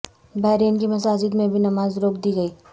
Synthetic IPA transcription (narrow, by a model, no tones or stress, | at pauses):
baɪɾeːnkimɐsaːd͡ʒɪd̪mẽbʱinɐmaːzɾoːkʰd̪iɡəiː